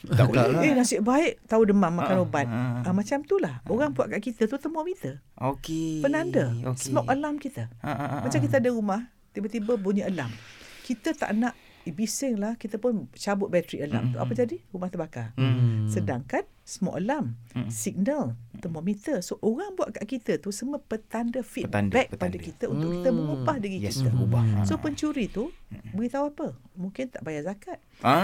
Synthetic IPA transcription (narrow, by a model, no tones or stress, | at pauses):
enasɪʔbaɪʔt̪audəmamakanobat̪̚əmat͡ʃamt̪ulahoɣaŋbuaʔkaʔkit̪ət̪ut̪əmɔʔmit̪əokepənandəssəmɔkəlamkit̪əmat͡ʃamkit̪əadəɣumah | t̪ibət̪ibəbuɲəʔəla̰mkit̪ət̪a̰ʔnaʔ | ibisɪŋlahkit̪əpʊnt͡ʃabʊt̪̚bat̪ɾḭʔəla̰mt̪ua̰pəd͡ʒadiɾumaht̪əbakarsədaŋkan | səmo̰ʔəlamsiɡ̚nəlt̪əmomit̪əsoʔoɣaŋbuaʔkaʔkit̪ət̪usəməpət̪andəfit̪̚ndbɛk̚padəkit̪əunt̪ʊʔkit̪əməŋupahdəɣiit̪əubasopəɲt͡ʃuɾit̪ubəɡit̪auapəmuŋkɪnt̪aʔbajazakat̪̚